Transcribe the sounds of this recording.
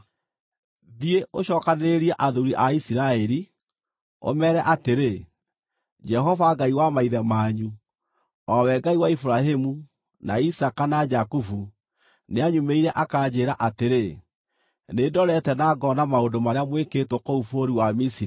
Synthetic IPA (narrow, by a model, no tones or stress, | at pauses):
ðieʔoɕɔːkaneeɾiɛʔaðuɾiʔaisiɾaɛɾi | o̰mɛːɾɛʔateɾe | d͡ʒɛɦɔvaɡaiwamaiðɛmaːɲu | ɔwɛɡaiwaifuɾaɦemu | naisakanad͡ʒakufu | neaɲumeiɾɛʔakad͡ʑeːɾaʔateɾe | nedɔɾɛtɛnaɡɔnamaodomaɾeamweketwɔkoufoɾiwamisiɾi